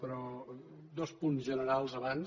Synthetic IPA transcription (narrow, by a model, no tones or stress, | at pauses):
pɾɔ | d̪ɔspunzʒənəɾalˠzəβan